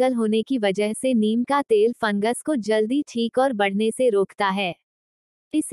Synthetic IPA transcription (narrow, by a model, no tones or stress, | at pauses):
əlɦoːnekiʋɐd͡ʒəɦseniːnkat̪eːlfɐ̃ŋɡəskod͡ʒɐld̪iʈʰiːkɔːɾbɐɽ̤neseɾoːkʰt̪aɦɛː | ɪs